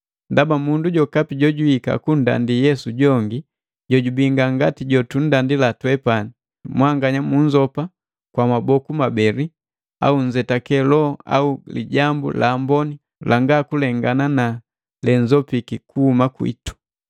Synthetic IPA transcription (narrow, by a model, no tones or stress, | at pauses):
ndabamunduɟɔkapiɟɔɟuika̰kun̩da̰ndijɛsuɟɔŋɡi | ɟɔɟubiŋɡaŋɡatiɟɔtun̩dandilatwɛpani | mwaŋɡaɲamuɲd͡ʒɔpa | kwamabɔkumabɛɾi | a̰uɲd͡ʒɛtakɛlɔa̰ulḭɟambṵlaːmbɔni | lʔaŋɡakulɛŋɡanana | lɛɲd͡ʒɔpikikuhːmakwḭtu̥